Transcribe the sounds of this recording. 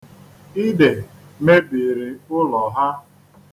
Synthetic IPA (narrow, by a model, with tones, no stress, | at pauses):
i˦de˨me˦bi˨ɾi˨ʊ˦lɔ˨ɦa˦